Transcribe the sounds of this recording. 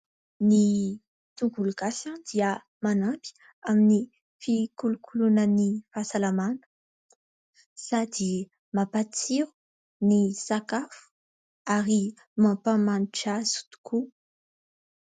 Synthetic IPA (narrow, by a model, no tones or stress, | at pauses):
ni | t̪uɡuluɡasad̪̥iə | manapi̥ | amini | fikulukʰulunənifasalamanə̥ | sad̪i | mapat͡siɾu̥ | nisakafu̥ | aɾi | mãpamaniʈ͡ʂazu̥d̪u̥kʰu